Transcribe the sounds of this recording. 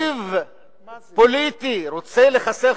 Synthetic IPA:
v | po̞lit̪iʁot͡se̞le̞χase

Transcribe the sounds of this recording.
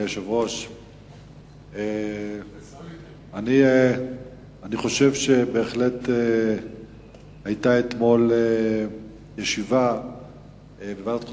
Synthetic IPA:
eʃevʁo̞ʃ | e | ani | aniχo̞ʃe̞vʃe̞be̞ːχle̞te | hajtaet̪mo̞le | jeʃiva | bevat̪k

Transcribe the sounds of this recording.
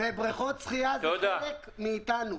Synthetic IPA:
ebʁiχot͡sχijazod̪aek | miːt̪anu

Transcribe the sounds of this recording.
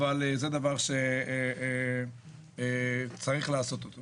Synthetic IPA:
valzed̪avaʁʃe | t͡saʁiχlaːso̞t̪ot̪o

